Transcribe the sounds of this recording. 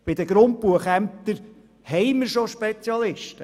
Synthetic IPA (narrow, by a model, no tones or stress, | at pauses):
b̥ɪd̪əɡɾʊnt̚puəχæm̚t̪əɾ | hɛɪməɾʃoʃpet͡sjɑlɪʃtə